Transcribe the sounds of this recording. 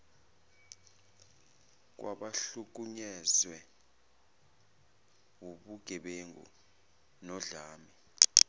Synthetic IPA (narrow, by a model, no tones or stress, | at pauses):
k̬wʔa̰ɓaɬuk̬uɲɛzwɛ | wuɓuɡ̥ʱɛɓeŋɡṵ | nɔɮaːmi